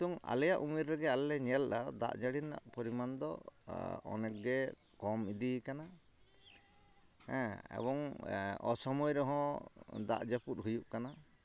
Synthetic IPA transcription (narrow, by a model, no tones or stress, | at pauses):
t̪uŋa̰lɛjaʔumiɾːɛɡɛalːɛɲɛlɗad̪a̰ʔd͡ʒaɽina̰ʔpɔɾimand̪ɔ̰ | ɔ̰nɛk̚ɡɛ | kɔmid̪ikana | hɛ̃ɛ̰bɔŋɔ̰sɔmɔjɾɔɦɔ̃d̪a̰ʔd͡ʒaput̚ɦujuʔkana